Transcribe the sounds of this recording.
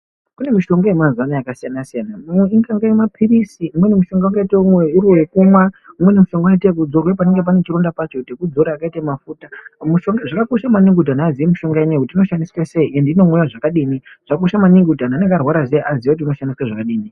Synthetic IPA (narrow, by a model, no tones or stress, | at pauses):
kune̞miʃo̞ŋɡaemazuanajakasijanasijanamumweiŋɡaŋɡaimapʰiɾisiʔumwe̞nemuʃo̞ŋɡaakaitaumwe̞uɾiwekumwaumwe̞nemuʃo̞ŋɡoaitekud͡zo̞rwep̬aneŋɡe̞p̬anet͡ʃiɾondapat͡ʃotekud͡zo̞ɾaːkaitamafuːtamuʃo̞ŋɡaʐakakoʃamaniŋɡudanaːziemiʃo̞ŋɡaenakutiːno̞ʃandisweseiʔendinomwujaʐakaɗiːniʐ̥akoʃamaniŋɡutananeŋɡarwaɾazeʔaziʋakutiuno̞ʃandiswaʐakaɗiːni